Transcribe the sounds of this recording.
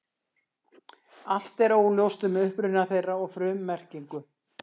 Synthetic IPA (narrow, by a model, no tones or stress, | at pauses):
al̥t̪ɛɾoːwljowst̪ʏmɛʏhpɾʏnaθejraɔɣfɾʏːmːɛr̥ciŋkʏ